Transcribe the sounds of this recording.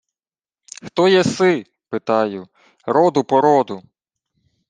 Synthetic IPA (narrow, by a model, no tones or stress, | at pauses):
xt̪ɔjɛsɪ | pɪt̪ɑjʊ | ɾɔd̪ʊpɔɾɔd̪ʊ